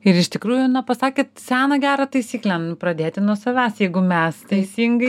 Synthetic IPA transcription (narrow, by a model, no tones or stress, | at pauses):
ɪɾɪʃt̪ʲɪkɾuːjʊnɐpɐsɑːkʲeːt̪sʲæːnɐɡʲæːɾɐt̪ɐɪsʲiːklʲɛnʊpɾɐd̪ʲeːt̪ʲɪnuɔsɐʋʲæːsjɛɪɡʊmʲɛst̪ɐɪsʲiːŋɡɐɪ